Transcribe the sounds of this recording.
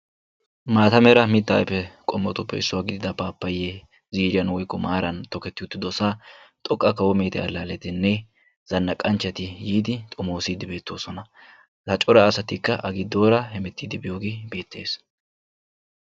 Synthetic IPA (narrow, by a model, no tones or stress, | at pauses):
maːt̪ɐmɛɾɐmɪt̪ːa̰ːjɛpːɛkʼɔmːɔt̪ʊpːɛ̰ɪsːʊwaːɡɪd̪ɪd̪ɐpaːpːɐjːe | ziːɾɪjɐnwɔjkːɔmaːɾɐnt̪ɔkɛt̪ːɪʊt̪ːɪd̪ɔsaːt̪ʼɔkʼːɐkɐwɔme̞ːt̪ɛ̰ɐlːaːlɛt̪ɪnːɛ | z̥ɐnːɐkʼɐnt͡ʃːɐt̪ɪjiːd̪ɪt̪ʼʊmo̞ːsid̪ɪbe̞ːt̪ːoːsɔnɐ | lɐt͡ʃʼɔɾɐːsɐt̪ɪkːɐʔɐɡɪd̪o̞ːɾɐhɛmɛt̪ːiːd̪ɪbɪjoːɡebe̞ːt̪ːeːs